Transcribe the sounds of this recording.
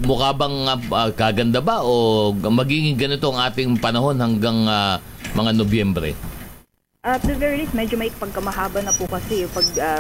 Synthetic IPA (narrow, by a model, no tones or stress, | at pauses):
mʊhaːbɐŋɐɐkaːɡɐnd̪abaʔomɐɡiːɡɪŋɡɐnɪt̪o̞ɐŋʔaːt̪ɪŋpɐnɐho̞nhɐŋɡaŋɐ | mɐŋanobjɛmbɾɛ̰ | ʔɐd̪ɐvɛɹilist̪̚mɛd͡ʒomɐʔɪkɐpɐɡ̚kɐmɐɦaːbɐnɐpʊkɐsɛpɐɡ̚ɐ